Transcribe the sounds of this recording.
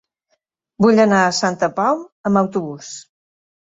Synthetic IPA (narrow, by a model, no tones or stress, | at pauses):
buʎənaəsant̪əpawəməwt̪uβus